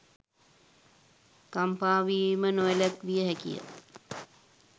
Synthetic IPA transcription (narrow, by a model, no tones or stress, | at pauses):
kampaːʋiːmənoelat̪ʋijəɦɛkḭjə̰